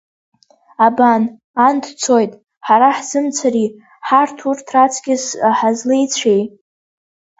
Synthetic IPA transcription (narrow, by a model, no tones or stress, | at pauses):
aban | andʰt͡sʰo̞jtʼ | ħaɾaħz̥ɨmt͡sʰari | ħartʰurtʰrat͡sʰɡʲɪsħazlejt͡sʷʰej